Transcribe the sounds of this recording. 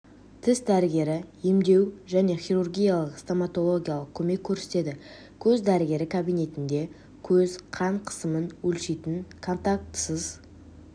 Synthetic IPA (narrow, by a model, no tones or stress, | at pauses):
t̪ʰɪsd̪æɾɪɡʲe̞ɾɪjemd̪e̞wʒæne̞χʲijɾurɡʲijalˠəqst̪omat̪o̞lˠo̞ɡʲijalˠəq̚kʲʰɵme̞kʲʰːɵɾse̥t̪e̞d̪ɪ | kʲʰɵzd̪æɾɪɡʲe̞ɾɪkʰabijne̞t̪ɪnd̪e̞ | kʲʰɵzqʰɑɴqʰə̥səmənwɵlʃejt̪ɪŋkʰo̞nt̪ak̚t̪səz̥